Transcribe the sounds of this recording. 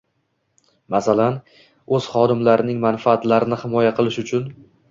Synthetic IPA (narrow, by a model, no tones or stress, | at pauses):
masalan | ɵz̥χɒd̪ɪmlaɾɪnɪŋmanfaːt̪laɾɪnɪhɪmɒjaqʰɨlˠɪʃʊt͡ʃʰʊn